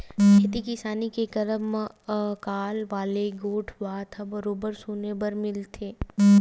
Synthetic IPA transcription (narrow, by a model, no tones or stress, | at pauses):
bɛeːt̪ikɪsaːnikekɐɾəm | kaːlʋaːleɡoːʈʰbaːt̪ʰɐbəɾoːbəɾsuːnebəɾmɪlt̪ʰeː